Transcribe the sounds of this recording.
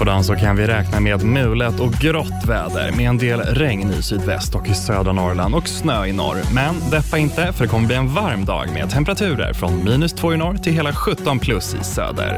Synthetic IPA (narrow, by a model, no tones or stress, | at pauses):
pɔd̪ansɔkʰanvɪɾɛːknameːd̪mʉ̟ːlət̪ɔk̚ɡɾɔt̪ːvɛːd̪ə̰ɾmeːɛnd̪eːlɾɛŋnɪ̰syːd̪vɛ̰st̪ɔkɪsøːd̪ɾanɔɾla̰nd̪ɔksnøːɪnɔ̰ɾmɛnd̪ɛpːaɪnt̪əfœɖɛkʰɔmːəbliːɛnvaɾmd̪ɑ̰ːɡmḛd̪̚t̪ʰɛmpɛɾat̪ʰʉ̟ːɾə̰ɾfɾɔnmiːnɵst̪ʰvoːɪnɔɾt̪ʰɪlɦeːlaɧɵt̪ːɔnpʰlɵsɪ̰sø̰ːd̪ə̰ɾ